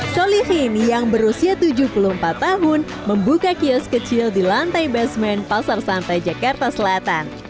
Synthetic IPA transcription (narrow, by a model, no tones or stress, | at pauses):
solihinijaŋbəɾusiat̪ud͡ʒuhpuluhəmpat̪ːaɦʊn | məmbukakiɔskət͡ʃɪldilant̪ajbɛsmɛnpasarsant̪ajd͡ʒakart̪asəlat̪an